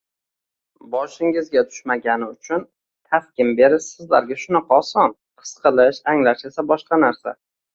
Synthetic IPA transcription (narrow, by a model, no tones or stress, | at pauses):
bɒʃɪŋɪzɡʲat̪ʰʊ̥ʃmaɡʲanɪʊt͡ʃʰʊn | t̪ʰafkʲɪmbe̞ɾɪsɪzla̰ɾɡʲaʃʊnɑqʰɑːsɒn | qʰɨ̥sqʰɨlˠɪʃaŋlaʃesabɒʃqɑnaɾsa